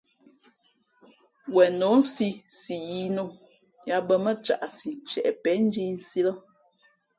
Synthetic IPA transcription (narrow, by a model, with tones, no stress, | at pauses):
wɛ˨no˨˦n̩˦si˦si˨ji˦no˦ | ja˨bə˦mə˦t͡ʃa̰˦˨ʔsi˨n˨t͡ʃɛ̰˨ʔɛ˨pɛ˨˦n̩˦d͡ʒi˦n̩˦si˦lə˦